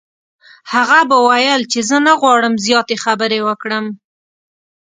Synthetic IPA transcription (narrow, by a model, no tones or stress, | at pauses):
haɣabawajəlt͡ʃezənaɣwɑɽəmzjɑt̪exabəɾewəkɽəm